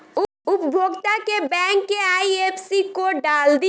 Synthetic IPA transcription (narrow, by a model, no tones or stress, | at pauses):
ʊ | ʊpbʱoːɡt̪akebɛ̃ːŋkːeaːieːpsikoɖaːld̪i